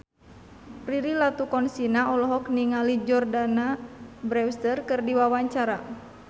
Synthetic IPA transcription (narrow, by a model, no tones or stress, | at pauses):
riɾilat̪ukɔnsinaɔlɔɦɔkniŋalid͡ʒɔrdanabɾɛwst̪ərkɨrdiwawaɲt͡ʃaɾa